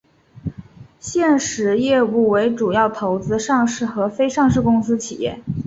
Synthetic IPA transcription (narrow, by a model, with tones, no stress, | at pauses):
ɕjɛ˥˩nʂɻ̩˧˥jɛ˥˧u˥˩we˧˥ɪʈ͡ʂu˨˩jɑ˥˩ʊt̪ʰo˧˥ʊt͡sɹ̩˥ʂɑ˥˧ŋʂɻ̩˥˩xɤ˧˥fe˥ɪʂɑ˥˧ŋʂɻ̩˥˩kʊ˥ŋsɹ̩˥t͡ɕʰi˨˩jɛ̰˥˩